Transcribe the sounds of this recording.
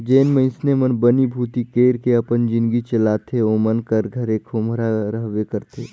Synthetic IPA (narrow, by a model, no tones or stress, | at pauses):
d͡ʒeːnmə̃ɪ̃snemənbənibʱuːt̪ikeːɾkeɐpənd͡ʒɪ̃nɡit͡ʃɐlaːt̪ʰeomənkəɾɡʱɐɾekʰoːmʱɾaɾɐɦʋekɐɾt̪ʰeː